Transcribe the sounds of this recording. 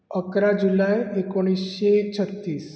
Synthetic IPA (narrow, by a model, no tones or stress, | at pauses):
əkɾad͡ʑulajekoɽ̃isɕet͡ɕʰət̪ːiːs